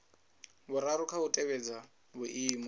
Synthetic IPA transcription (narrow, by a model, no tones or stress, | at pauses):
bʊɾaɾukʰautʼɛβɛd͡za | βʊʔiːmɔ